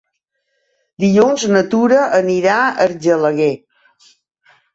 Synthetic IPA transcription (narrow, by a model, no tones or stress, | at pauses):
d̪iʎunznət̪uɾəʔəniɾaəɾʒələɣe